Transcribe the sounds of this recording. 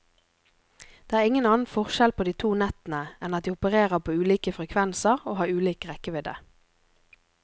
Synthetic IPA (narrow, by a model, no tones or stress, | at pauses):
d̪̥eːæːʁɪŋənɑːnn̩fɔʁʃɛlpʰoːd̪iːt̪ʰuːnɛt̪n̩əɛnɑt̪̚d̪iːʊpəʁeːʁəʁpʰoːʉːliːkəfʁɛkʰʋɛnsəʁoːhɑːʁʉːliːkəʁɛkəʋɪd̪ə̰